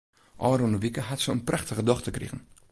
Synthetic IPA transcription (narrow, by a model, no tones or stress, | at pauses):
ʔɑːɾonoʋikəɦatsəənpraχtəχədɔχtəkrḭχən